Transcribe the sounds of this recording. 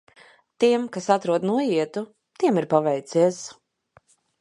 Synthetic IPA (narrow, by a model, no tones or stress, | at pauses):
t̪iɛmkasat̪ɾuɔd̪nuɔjiɛt̪u | t̪iɛmiɾpavɛjt̪siɛs